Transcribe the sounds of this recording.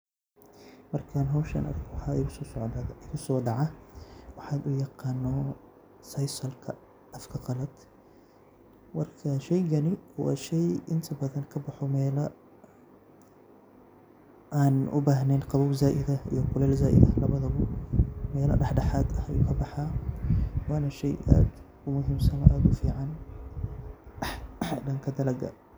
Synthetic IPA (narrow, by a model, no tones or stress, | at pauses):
mɐrkʰɐːnɦɔwʃɐ̰nɐ̰fkħaɪʊsɔːʕɪɣʊsɔːɖɑʕɑwɑħaːd̪ʊjɑqɑːnːɔ | sɐjsɐlkʰɐ | ɐfkʰɐqɑlɐd̪ | wɐrkʰɐʃɛjɡɐnɪkʰʊwa̰ːʃɛjɪnt̪ʰɐbɐðɐnkʰɐbɑħɔmɛːlɐ | ʔaːnʊ̰baːɦnɛjnqɑβuːbzaːʔɪðɐḭjɔqʊlɛːlzaːʔɪ̰ðɐlɐβɐðɐβʊmɛːlɐ̰ɖɑħɖɑħaːd̪ɐhɐjṵːkʰɐbɑħaː | wɑːnɐʃɛja̰ːd̪ | ʊmʊɦɪmsɐnɔ̰ːʔaːd̪ʊfiːʕɑn | ɖɐŋkʰɐd̪ɐlɐɡɐ̰